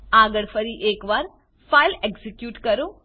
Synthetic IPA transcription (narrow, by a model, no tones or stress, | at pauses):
aːɡəɭfəɾiʔeːkʋaːɾ | failekzikjuːʈkəɾũ